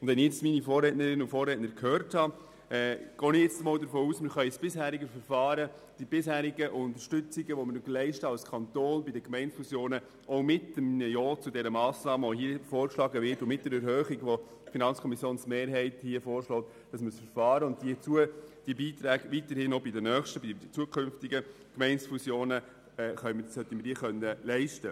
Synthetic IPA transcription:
ʊndvɛnɪjɛt͡stminifɔːrɛtnəɾɪnʊfɔːrːɛːtnəɾkʰhøːrthɑ | ɛɡ̥ɔːnɪjɛt͡stəmɑːldəɾfoːuːsmɪɾχœʏsb̥ɪshæːɾiɡəfəɾfɑːɾə | d̥ibɪshæːɾiɡəʔʊntəɾʃtʏt͡siɡəʋɔməɾnyɡəlɛɪʃtəɑlskʰɑnt̪ɔːnbidəkmɛɪntfusjoːnə | ɔʊmɪtəminəjɔːt͡sʊdɛɾəmɑːsnɑːməɔɦiəfoːɾkʃlɑːɡəvɪɾtʊmɪt̚d̥ɛɾɛɾhœːχiɡʋo | finɑnt͡sskʰɔmisjoːnsmeːɾɦɛɪthiəfɔːɾʃlɔːt̪ | d̥ɑsməsfəɾfɑːɾəʊnddit͡suəd̥iəbiːt̪ɾæːɡʋitəɾhɪnobɪdənœːχʃtəbi̥ət͡suəkʰʏnftiɡə | kmɛɪnsfusjoːnə | χœʏmədɑshœtːəmɪɾd̥iːəχœnːəlɛɪʃtə

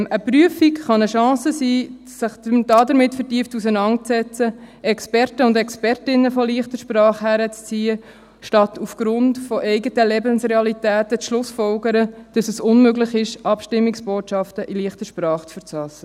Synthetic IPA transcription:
əpryəfikχɑnəʃɑ̃ːsəsiː | sɪχəd̥ɑdəɾmɪtfəɾtiːəftus̬ənɑnt̚t͡sɛt͡səɛkspɛɾtəʊndɛkspɛɾtɪnːəfɔliəχtəʃpɾɑːχhæɾət͡st͡siːə | ʃtɑtufɡ̥ɾʊntfɔʔɛɪɡətəlɛbənsrɛɑlitæːtət͡sʃlʊsfɔlɡəɾəd̥ɑsɛsʊnmøɡlɪχɪʃɑpʃtɪmːiksb̥oːtʃɑftəʔiliəχtəʃpɾɑːχt͡sfəɾt͡sɑsə

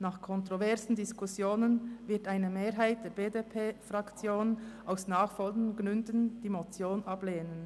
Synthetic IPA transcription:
naːχkʰɔntʁovɛʁsn̩diskʰʊsjoːnənvɪɐtaɪnəmeːɾɦaɪt̚d̥eːɐbeːdepʰeːfʁɑkt͡sjoːnʔaʊsnaːχfɔlɡnɡnʏndənd̥iːmot͡sjoːnʔɑbleːnən

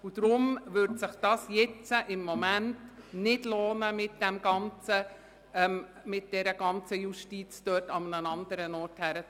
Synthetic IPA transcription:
ud̥̪ɾʊmʋʏɾdsɪχd̥ɑːsjɛt͡səʔɪmːɔmæntnɪdloːnəmɪt̚d̥æmɡ̥ɑnt͡sə | mɪt̚d̥ɛɾəɡ̥ɑnt͡səjuʃtit͡sd̥øːtɑmənənɑnd̪əɾənɔːɾthæɾə

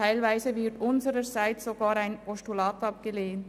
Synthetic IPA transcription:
aɪlvaɪzəvɪtʊnzəɾəzaɪt͡szoɡɑːɾaɪnpɔʃtulaːtɑp̚ɡ̥əleːnt

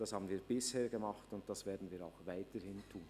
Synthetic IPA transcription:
d̥ɑshaːbən̩viːbɪsheːɐɡəmɑχtʊnt̚d̥ɑsv̥eːɐdn̩viːɾa̰ʊxvaɪtəhɪntʰuːn

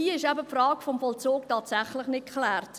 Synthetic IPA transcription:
iːɪʃɛbəpfrɑːkfɔmfɔlt͡soːktɑːtsæχlɪχnɪt̚kʰχlɛːrt

